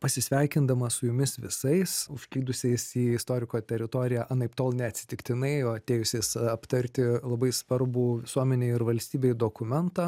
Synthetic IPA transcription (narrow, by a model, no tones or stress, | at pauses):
pɐsʲɪsʲʋʲɛɪkʲɪnd̪ɐmɐsʊjʊmʲɪsʋʲɪsɐɪsʊʃʲklʲiːd̪ʊsʲɛɪsiːɪst̪oːɾʲɪkoːt̪ʲɛɾʲɪt̪oːɾʲɪjæʔɐnɐɪpt̪oːlˠnʲɛɐt̪ʲsʲɪ̥t̪ʲɪkt̪ʲɪnɐɪɐt̪ʲeːjʊsʲeːsɐpt̪ɐɾʲt̪ʲɪlˠɐbɐɪsʋɐɾbuːʋʲɪsuɔmʲɛnʲeːɪɪɾʋɐlʲsʲt̪ʲiːbʲeːjd̪oːkʊmʲɛnt̪ɑː